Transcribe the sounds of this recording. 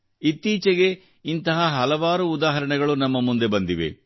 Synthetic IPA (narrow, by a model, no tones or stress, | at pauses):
it̪ːiːt͡ʃeɡe̞ | int̪ɐɦɐɦɐlɐʋaːɾuːd̪aːɦɐɾɐɳɛɡɐɭunɐmːɐmund̪e̞bɐnd̪iʋe̞̰